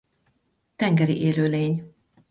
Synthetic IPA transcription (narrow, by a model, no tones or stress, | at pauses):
t̪ɛŋɡɛɾḭʔeːløːleːɲ